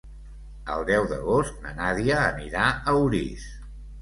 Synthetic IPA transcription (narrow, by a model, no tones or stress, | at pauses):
ə̰lˠd̪ɛwðəɣost̪̚nə̰naðiəːniɾaəwɾḭs